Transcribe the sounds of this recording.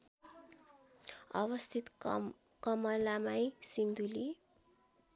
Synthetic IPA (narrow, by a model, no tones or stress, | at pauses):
ʌβʌst̪ʰit̪ | kʌmʌlamajsind̪uli